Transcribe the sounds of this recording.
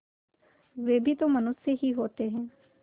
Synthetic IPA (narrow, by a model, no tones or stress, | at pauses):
ʋeːbʱit̪omɐnʊsːjəɦiɦoːt̪eɦɛ̃ː